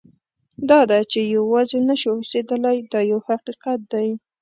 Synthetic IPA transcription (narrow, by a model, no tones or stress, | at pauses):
d̪ɑd̪at͡ʃejawɑzenaʃuhosed̪əlajd̪ɑjawhaqiqat̪̚d̪aj